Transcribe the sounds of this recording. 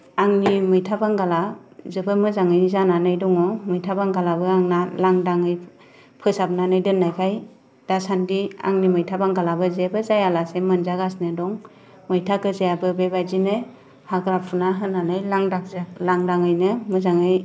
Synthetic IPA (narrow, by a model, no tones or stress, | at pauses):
aŋnimɯjtʰabaŋɡalazɯbɯmɯzaŋɯjzananɯjdɔŋɔmɯjtʰabaŋɡalabɯaŋnalaŋdaŋɯj | pʰɯsab̚nanɯjdɯnːajkʰaj | d̥asandia̰ŋnimɯjtʰabaŋɡalabɯzebɯzajalasemɯnzaɡasnɯdɔŋ | mɯjtʰakɯzejabɯbebajzinɯ | haɡɾapʰunaɦɯnːanɯjlaŋdaklaŋdaŋɯjnɯmɯzaŋɯj